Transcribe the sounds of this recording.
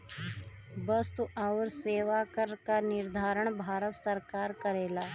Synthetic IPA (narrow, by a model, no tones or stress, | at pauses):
bəst̪uʔaʊɾseːʋakəɾkanɪɾd̪ʱaːɾəɽ̃bʱaːɾət̪səɾkaːɾkəɾeːlaː